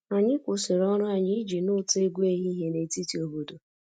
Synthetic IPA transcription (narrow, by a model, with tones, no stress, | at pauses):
a˨ɲɪ˦kʷʊ˨sɪ˨ɾɔ˦ɾʊ˦a˨ɲi˦d͡ʒi˨nʊ˦te˦ɡʷe˦ɦi˦ɦe˦ne˨ti˦ti˨o˨bo˨do˨